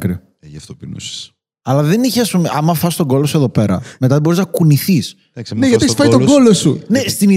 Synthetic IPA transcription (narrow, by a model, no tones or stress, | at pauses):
kɾio | ɐft̪opinṵs | ɐlɐðe̞niçeɐspumeʔɐmɐfɐsist̪o̞ɡo̞losue̞ðo̞pe̞ɾɐ̰met̪ɐðebo̞ɾiznɐkuniθis | ɐksneʝɐteçsfɐitoɡolosunest̪ini